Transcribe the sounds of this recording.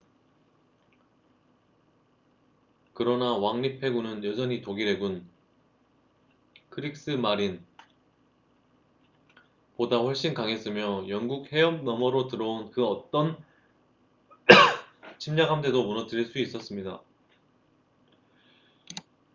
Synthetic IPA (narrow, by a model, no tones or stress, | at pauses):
kɯɾʌnawaŋɲipʰe̞ɡunɯnjʌd͡ʑʰʌɲitoɡiɾe̞ɡun | kʰɯɾik̚s͈ɯmaɾin | podaɸwʌɭɕ͈inkaŋe̞s͈ɯmjʌjʌŋɡuk̚he̞jʌm̚nʌmʌɾotɯɾʌonkɯʌt͈ʌn | t͡ɕʰimɲakhamtʰe̞domunʌtɯɾiɭs͈uis͈ʌs͈ɯmɲida